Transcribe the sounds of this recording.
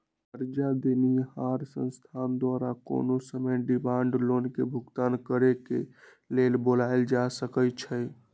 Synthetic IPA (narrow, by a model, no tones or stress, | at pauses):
əɾd͡ʒad̪enihaɾsə̰̃nst̪ʰand̪waɾako̰nosəməɖimãɳɖlonkebʱuɡt̪ankəɾeke | lelbolaeld͡ʒasəkət͡ʃʰə